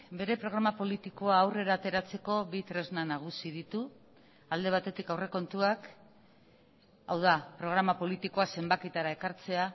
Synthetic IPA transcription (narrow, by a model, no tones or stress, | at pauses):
be̞ɾe̞pɾo̞ɣ̞ɾamapo̞lit̪iko̞aːwre̞ɾaːt̪e̞ɾat͡se̞ko̞βit̪ɾe̞znanaɣ̞usiðit̪u | ald̪e̞β̞at̪e̞t̪ikawre̞ko̞nt̪uak | a̰wðapɾo̞ɣ̞ɾamapo̞lit̪iko̞ase̞mbakit̪aɾae̞kaɾt͡se̞a